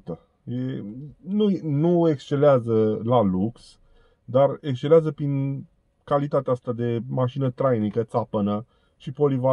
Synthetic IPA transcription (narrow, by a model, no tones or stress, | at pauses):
t̪ə | jenunue̞kst͡ʃe̞leazəlaluks | d̪arekst͡ʃeleazəpɾin | kalit̪at̪east̪ad̪e̞maʃinət̪ɾajnikət̪sapənə | ʃipo̞liva